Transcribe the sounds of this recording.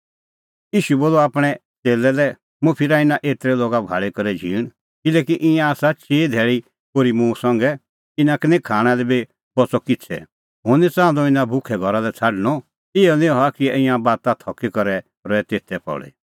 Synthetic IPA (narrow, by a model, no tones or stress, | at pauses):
iːʃuboːlɔaːpɽ̃ɛ | t͡seːlɛlɛ | mũpʰɪɾaɪnãʔet̪ɾɛloːɡabʱa̰ːɭekɔɾɛd͡ʒʱiːɽ̃ | kɪlɛːkiʔɪ̃jãaːsat͡ʃeːd̪ʱɛːɭi | koːɾimũsɐ̃ŋɡɛ | ɪnãkɪnẽkʰaːɽ̃alɛbi | bɔt͡sɔkɪt͡sʰɛ̰ | ɦonit͡sãːd̪ɔɪnãbʱʊkʰɛɡʱɔɾalɛt͡sʰaɖñɔ | ɪɔnɪ̃ɔakiɪ̃jãbaːt̪at̪ʰɔkikɔɾɛ | ɾɔɛt̪eːt̪ʰɛpɔ̰ɭḛ